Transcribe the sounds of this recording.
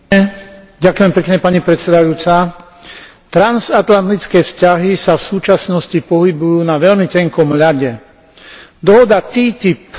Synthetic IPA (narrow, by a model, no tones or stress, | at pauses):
ɟakʊjɛmpɛkɲɛpaɲipɾɛt̪sɛd̪ajuːt͡sa | t̪ɾanzat̪lant̪it͡skɛːfscaɦisafsuːt͡ʃasnɔscipɔɦibujuːnaʋɛʎmicɛŋkɔmʎaɟɛ | d̪ɔɦɔd̪at̪iːt̪ip